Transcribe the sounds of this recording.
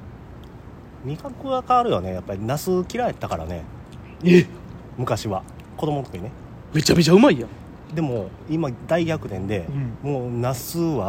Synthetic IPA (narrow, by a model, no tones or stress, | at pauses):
ɲ̟ikakɯ̟akaaɾɯ̟jone̞japːaɾʲinasɨkʲiɾae̞t̪ːakaɾa̰ne̞̰ | e | mɯ̟kaɕiβa | kod̪o̞mo̞t̪okiine | me̞t͡ɕːame̞t͡ɕaɯ̟maijã | d̪e̞mo̞ | imad̪aiɡʲakɯ̟t̪ẽ̞nd̪e̞mo̞ːnasɨβa